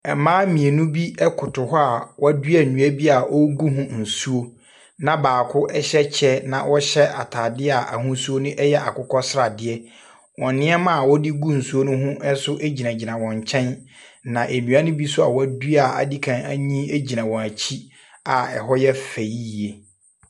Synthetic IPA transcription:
ɛ˨mãː˦mĩ˨e˨nũ˦bi˦ɛ˦kʰʊ˨tʰʊ˨ɦɔ˦a˨wɔ˦dɥa˨nũ˨æ˦bi˦a˨ʔɔ˦ɡu˦ɦʊ̃˦n̩˨su˦o˦ | nã˨baː˨kʰʊ˦ʔɛ˦ɕɛ˦t͡ɕʰɛ˦nã˨wʔɔ˦ɕɛ˦ʔa˨tʰaː˨dɪ˦a˨ʔa̰˨hʊ̃˦su˦o˦nʊ̃˦ʔɛ˦jɛ˦ʔa̰˨kʰʊ˦kʰɔ˦sɪ˦ɾa˨dɪ˦ɛ˦ | wɔ̃˨nɪ̃˦ɛ˦mã˦a˨wɔ˦di˦ɡu˦n̩˨su˦o˦nʊ̃˦ɦʊ̃˦ʔɛ˦sʊ˦ʔe˦d͡ʑi˨nã˨d͡ʑi˨nã˨wɔ̃˨ɲ˨t͡ɕʰɛ̃˦n˦ | nã˨ʔe˨nũ˨˦a˦nʊ̃˦bi˦sʊ˦a̰˨wa˦dɥa˨a̰˨di˦kʰã˨næ˦ɲĩ˦e˦d͡ʑi˨nã˨wɔ̃˨æ˨t͡ɕʰi˦ | a˨ɛ̰˨ɦɔ˦jɛ˦fe˨i˦˨e˨

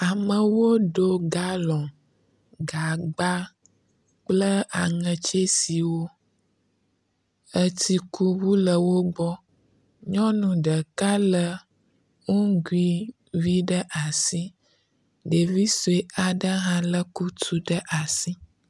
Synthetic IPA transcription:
a˨mə̃˨wo˦ɖo˦ɡa˦lɔ̃˨ | ɡa˨ɡ͡ba˦ | k͡plə˦a˨ŋə̃˨t͡ʃe˦si˨wo˦ | ə˦t̪i˦ku˦wu˦lə˨wo˦ɡ͡bɔ˦ | ɲɔ̃˦nũ˨ɖə˨ka˦lə˦ | ŋũ˦ɡu˦i˦ | vi˦ɖə˦ʔa˨si˦ | ɖə˨vi˦so˨e˨a˨ɖə˦ɦã˦lə˦ku˦t̪u˦ɖə˦ʔa˨si˦

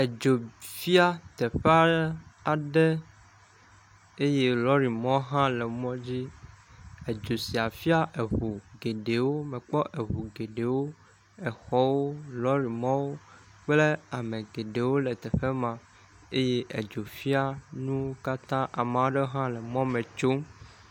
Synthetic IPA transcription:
e˨d͡ʒo˨fi˦a˦t̪ɛ˨ɸe˦a˦a˨ɖɛ˦ | e˦je˦lɔ˦ɾi˨mɔ̃˦ɦã˦lɛ˨mɔ̃˦d͡ʑi˦ | e˨d͡ʒo˨si˨a˨fi˦a˦ʔɛ˨ɸu˨ɡe˨ɖe˨wo˦mɛ̃˨k͡pɔ˦ʔe˨ɦu˨ɡe˨ɖe˨wo˦ | ɛ˨xɔ˦wo˦lɔ˦ɾi˨mɔ̃˦wo˦ | k͡ple˦a˨mẽ˨ɡe˨ɖe˨wo˦lɛ˨t̪ɛ˨ɸe˦mã˨ | e˦je˦ʔɛ̰˨d͡ʒo˨fi˦a˦nũ˦o˦ka˦t̪ã˦ʔa˨mã˨wo˦ɖɛ˦ɦã˦lɛ˨mɔ̃˦mɛ̃˨t͡ʃo˦m

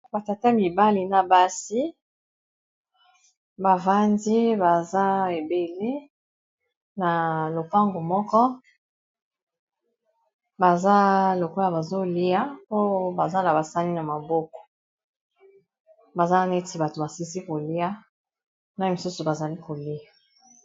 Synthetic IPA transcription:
ba˨ta˨ta˦mi˨ba˦li˨na˨ba˦si˦ | ba˨va˦ndi˦ba˨za˦e˨be˨le˦ | na˨lo˨pa˦ŋɡo˨mɔ˦kɔ˦ | ba˨za˦lo˨ko˦ja˨ba˨zo˦li˦ja˦o˦ba˨za˦la˨ba˨sa˦ni˦na˨ma˨bo˦kɔ̥˨ | ba˨za˦˨ne˦ti˨ba˨to˨ba˨si˦si˦ko˨li˦a˦ | na˦˨mi˨su˦su˨ba˨za˨li˦ko˨li˦a˨

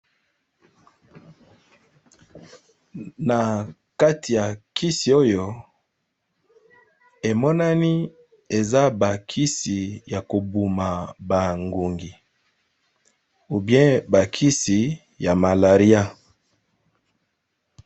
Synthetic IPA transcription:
na˨ | ka˦tʰi˨ja˨kʰi˦si˨o˦jo˨ | e˨mɔ˦na˦ni˦ | e˨za˦ba˨kʰi˦si˨ja˨ko˨bu˨ma˨ba˨ŋɡu˨ŋɡi˨ | u˨bjɛ̃˦ba˨kʰi˦si˨ | ja˨ma˨la˨ʁi˦a˦

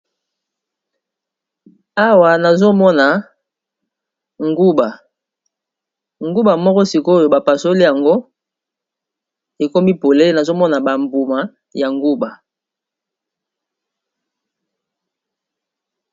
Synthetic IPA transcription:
a˦wa˨na˨zo˦mɔ˦na˨ | ŋɡu˦ba˨ | ŋɡu˦ba˨mɔ˦kɔ˦si˨kjo˨ba˨pa˨so˦li˦ja˨ŋɡo˦ | e˨ko˦mi˦po˨le˦na˨zo˦mɔ˦na˨ba˨mbu˨ma˨ | ja˨ŋɡu˦ba˨

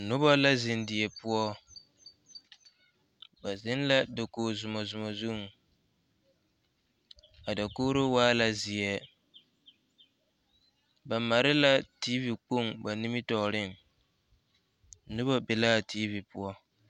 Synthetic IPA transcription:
nʊ˦ba˦la˦zɪ˨ndɪ˨ɛ˨pʊ˦ɔ˦ | ba˨zɪ˦nla˦do˨koː˨zʊ˨mɔ˨zʊ˨mɔ˨zu˦˨ŋ˨ | a˨da˨koː˦ɾo˦waː˦la˦zɪ˨ɛ˦ | ba˨ma˨ɾɪ˦la˦ti˦vi˨k͡po˦˨ŋba˨ni˦mɪ˦tɔ˨ɾɪ˦˨ŋ | nʊ˦ba˦bɪ˨laː˦tʰiː˦vi˨pʊ˦ɔ˦

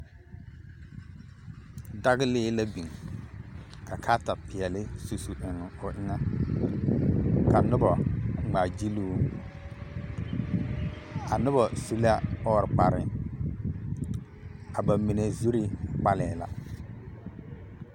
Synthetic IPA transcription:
da˦ɣɪ˦lɪː˦la˦bi˨ŋ | ka˨kʰa˦ta˨pɪ˨ɛ˨lɪ˦su˨su˨ʔɪ˨ŋ˨ʊ˨ʔɪ˦ŋa˦ | ka˨nʊ˦bɔ˨ŋ͡ma˨d͡ʒi˦luː˦ | a˨nʊ˦bɔ˨su˦la˦ɔː˦ɾk͡pa˨ɾɪ˨ | a˨ba˨mi˨ne˨zi˦ɾi˦k͡pa˦lɛː˨la̰˨

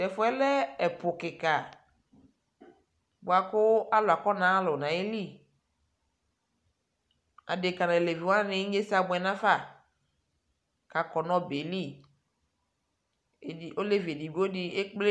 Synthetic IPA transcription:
tɛ˨fʊ˦ɛ˦lɛ˦ɛ˨pʊ˨kɪ˨ka˨ | bo˨a˨kʊ˦a˦lʊ˨a˨kɔ˦nã˨˦lʊ˨nã˨e˦li˦ | a̰˨de˨ka˨nã˨le˨vi˨wã˦nɪ̃˨˦ɲe˦sa˦bʊ˨˦ɛ˨nã˦fa˦˨ | ka˨kɔ˨nɔ̃˦be˨li˦˨ | i˨o˦le˦vi˨e˨di˨bu˦o˦di˦e˦k͡ple˦

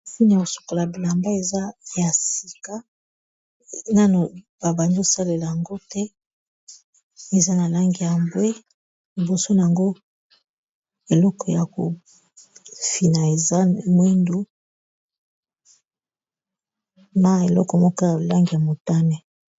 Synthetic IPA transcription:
fu˦n˨ja˨ko˨su̥˨ko˨la˨bi˨la˨mba˦e˨za˦ja˨si˨ka˦ | na˦no˨ | ba˨ba˨ndo˦sa˦le˨la˨ja˨ŋɡo˦tɛ˦ | e˨za˦na˨la˦ŋɡi˨ja˨mbwe˦ | li˨bo˨so˦na˨a˨ŋɡo˦ | e˨lɔ˦kɔ˨ja˨ko˨ | fi˨na˨e˨za˦mwi˦ndo˦ | na˨e˨lɔ˦kɔ˨mɔ˦kɔ˦ja˨la˦ŋɡi˨ja˨mo˨ta˦nɛ˨

